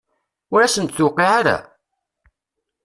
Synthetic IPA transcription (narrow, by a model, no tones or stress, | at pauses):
ʊɾæsənt̪θʊqːiʕaɾæ̰